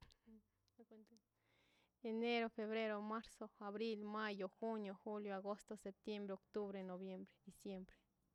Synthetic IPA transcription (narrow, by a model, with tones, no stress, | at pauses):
kn | e˨ne˦ɾo˧fe˧βɾe˦ɾo˧ma˦ɾso˧a˨βɾi˦lma˦jo˨xu˦njo˨xu˦ljo˨a˨ɡo˦st̪o˧sep̚t̪je˦mbɾeo˨kt̪u˦βɾe˧no˨bje˦mbɾe̥˨d̪i˨sje˦mbɾe̥˨